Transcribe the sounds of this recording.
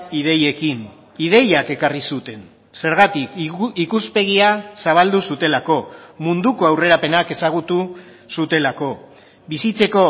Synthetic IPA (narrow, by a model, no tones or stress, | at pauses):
iðe̞je̞kin | ið̞e̞jake̞karisut̪e̞n | se̞ɾɣat̪ikikuspe̞ɣ̞iasaβ̞ald̪usut̪e̞lako̞mund̪uko̞awre̞ɾape̞nake̞saɣ̞ut̪u | sut̪e̞lako̞ | bisit͡se̞ko̞